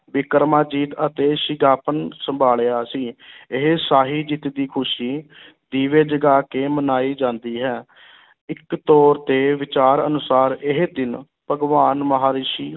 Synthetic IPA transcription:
bɪkəɾmaːd͡ʒiːt̪ət̪eːʃɪɡaːpənsəmbʱaːlejaːsiːɪɦesaːɦiːd͡ʒɪt̪d̪iːkʰʊʃiː | d̪iːʋeːd͡ʒəɡaːkeːmənaːiːd͡ʒãːnd̪iːɦɛː | ɪkt̪ɔːɾt̪eːʋɪt͡ʃaːɾə̰nʊsaːɾɪɦed̪ɪn | pəɡʋaːnməɦaːɾɪʃiː

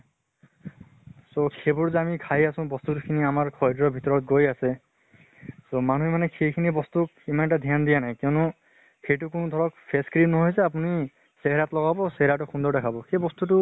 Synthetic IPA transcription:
sokʰebɔɹzeamikʰajasɔ̃bɔst̪utkʰiniamaɹkʰɔjdɹɔbʱit̪ɔɹɔt̪̚ɡojase | somanuɦɛmanɛxʰejkʰinibɔst̪uk | imanʈad̪ʱjand̪ijanajkiɔnɔ | hejʈukunud̪ʱɔɹɔkpʰeskɹinnːɔɦojseap̬uni | seɦɛɾat̪lɔɡabɔseɦeɾatʊxʰũnd̪ɔɹdɛkʰabɔxʰejbɔst̪utu

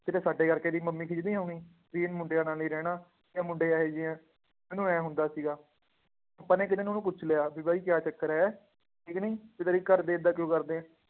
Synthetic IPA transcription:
t̪ɪt̪eːsaːɖeːkəɾkeːd̪iːməmːiːkʰɪd͡ʒd̪ĩːɦoːɽ̃iː | biːɪnmʊɳɖejãːnaːliːɾɛːɽ̃aː | jãːmʊɳɖeːaːɦeːd͡ʒɪɛ̃ː | mɛ̃ːnũːɛːɦʊnd̪aːsiːɡaː | apːãːnɛːk̬ɪt̪eːñːnũːp̬ʊt͡ʃʰleːaːbiːbaːiːkjaːt͡ʃəkːəɾɛː | ɪknəĩːpɪt̪əɾiːkəɾd̪eːɪd̪aːkjõːkəɾd̪eːɛ̃ː

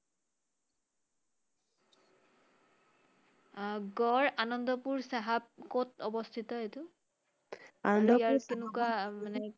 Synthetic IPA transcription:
ɡɔɹanɔndɔpuɹsaɦab̚kotɔbɔstʰitɔɦetʊ | anɔndɔjaɹkenʊkwamanɛ

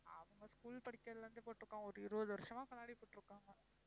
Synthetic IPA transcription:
ɐ̰ʋɐŋɡɐskuːlpɐɽɪkʲːɐðlɾɯnd̪ɯpoːʈːɪɯɾɯkːaːŋɡɐɔɾɯɪɾɯɐðʋɐɾɯʂɐmãːkɐnːaːɽipoːʈːɯɾɯkːaːŋɡɐ

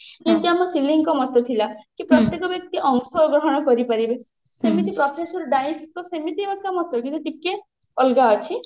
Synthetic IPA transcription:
d͡ʒeñt̪iamɔsiliŋkɔmɔt̪ɔt̪ʰilakipɾɔt̪jekɔbjɔk̚t̪iʔɔŋsɔɡɾɔɦɔɽ̃ɔkɔɾipaɾibe | semit̪ipɾɔpʰesɔɾɖajskɔsemit̪iebakamɔt̪ɔkit̪uʈike | ɔlɡaɔt͡ʃʰi

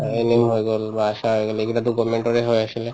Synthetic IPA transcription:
enemɦojɡolbaaʃaɦojɡelekiʈat̪ukɔmeɳʈoɾeɦojaʃile

